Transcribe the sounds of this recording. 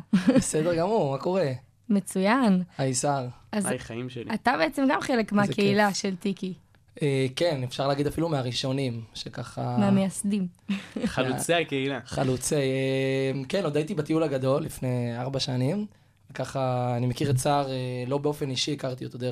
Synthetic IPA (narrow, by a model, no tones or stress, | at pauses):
esed̪eʁɡamuʁmako̞ʁe̞ | met͡sujanaisaʁazajχaimʃelḭat̪abeet͡semɡamχelekmeakeilaʃelt̪iki | eːke̞nefʃaʁlaːɡid̪afilumeaʁiʃo̞nimʃekaχameamejasd̪imalt͡seakeilaχalut͡semkeno̞d̪ajt̪ibat̪iulaɡad̪o̞lːifne̞jaʁbaʃanim | vekaχaːnimekiʁt͡saʁelo̞beo̞fe̞niʃiikaʁt̪iot̪od̪e